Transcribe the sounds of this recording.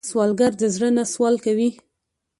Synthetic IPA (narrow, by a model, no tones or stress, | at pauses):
swɑlɡaɾd̪əzɽənaswɑlkawi